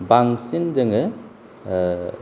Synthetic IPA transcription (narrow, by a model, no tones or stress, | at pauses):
baŋsind͡ʒɐŋɯ